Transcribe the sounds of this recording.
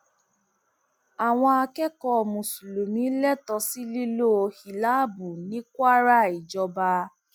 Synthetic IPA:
a˨w̃ɔ̃˧a˧kɛ˦kɔ˧˨mũ˨su˨lo˨nĩ˨˦lɛ˦tɔ˧si˦li˦lo˦o˧hi˨la˦bu˨nĩ˨˦kwa˦ɾa˦˨i˨d͡ʒɔ˧ba˧

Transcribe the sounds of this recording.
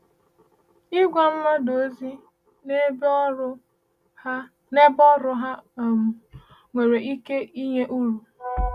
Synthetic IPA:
i˦ɡʷa˨m̩˦ma˦do˨˦zi˦ | ne˦bʊ˦ | ne˦bɔ˦ɾʊ˦ɦa˦˨m̩˨ | ŋʷe˨ɾe˨ʔi˦ke˦i˦ɲe˦ʔu˦ɾu˨

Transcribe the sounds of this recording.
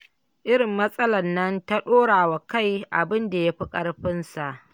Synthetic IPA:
ʔɪ˦ɽɪ˨mːɐ˦sʼɐ˦lɐ˨nːɐ˦nta˦ɗoː˦ɽaː˨wa˨ka˦˨jʔa̰˨bɪ˦nda˨ja˦ɸi˦kʼɐ˦ɽɸɪ˦nsa˨ʔ

